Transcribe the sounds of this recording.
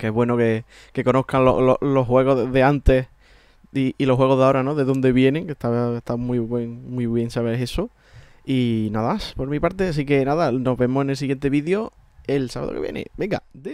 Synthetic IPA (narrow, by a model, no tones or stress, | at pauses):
keeɦβwe̞noke | ke̞ko̞no̞hkalo̰lo̰lo̞ɦwe̞ɣ̞oðe̞ant̪e̞h | iilo̞hɦwe̞ɣ̞oðeaoɾano̞ðe̞ðo̞nd̪e̞βje̞nẽ̞ŋke̞t̪aet̪amwijβwe̞ŋmwuiβje̞ŋsaβeɦe̞so | inaðamaspo̞ɾmipaɾt̪eas̬ike̞naðano̞ɦβe̞mose̞ne̞ls̬iɣje̞nt̪e̞βiðjo̞ | e̞lsaβa̰ðokeβjenʔḛbe̞ŋɡa̰d̪e